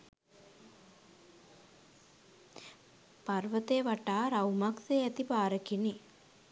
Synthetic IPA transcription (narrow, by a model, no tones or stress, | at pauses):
parʋət̪eːʋaʈaːɾawmakseːæt̪ipaːɾəkini